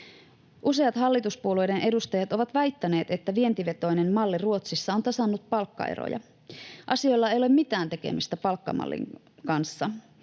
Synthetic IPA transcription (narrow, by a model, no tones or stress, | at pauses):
ʔuse̞ɑt̪hɑlːit̪uspuolujde̞nʔe̞dust̪ɑjɑt̪o̞ʋɑt̪ʋæjt̪ːæne̞ːt̪e̞t̪ːæʋie̞nt̪iʋe̞t̪o̞jne̞mmɑlːiruo̞t̪sisːɑo̞nt̪ɑsɑnːut̪̚pɑlkːɑ̰ḛɾo̰jɑ̰ | ʔɑsio̞jlːɑe̞jole̞mːmit̪æːnt̪e̞k̟e̞̰mist̪æpɑlkːɑ̰mɑ̰lːḭŋ | kɑnsːɑ